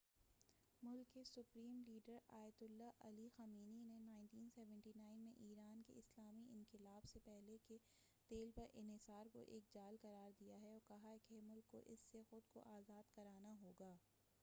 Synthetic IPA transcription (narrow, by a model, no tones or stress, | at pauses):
mʊlkːesʊpɾiːmliːɖəɾa̰ːjət̪ʊlːaʔɐlixɐmiːninenãːɪ̃nʈiːnsɛːʋə̃ɳʈinaːɪnmẽʔiːɾaːnkḛɪslaːmiʔɪ̃nkɪlaːbsepɛɦleke | t̪eːlpɐɾʔɪ̰̃nɦɪsaːɾko̰ʔeːk̚d͡ʒaːlkɐɾaːɾd̪ijaɦɛɔːɾkɐɦaɦɛkemʊlkːo̰ʔɪsːexʊd̪ko̰ʔaːzaːd̪kɐɾaːnaɦoːɡaː